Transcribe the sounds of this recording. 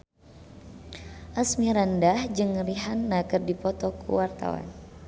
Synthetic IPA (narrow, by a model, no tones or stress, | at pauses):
ʔasmiɾandahd͡ʒɨŋriɦanːakɨrdipɔt̪ɔkṵwart̪a̰wa̰n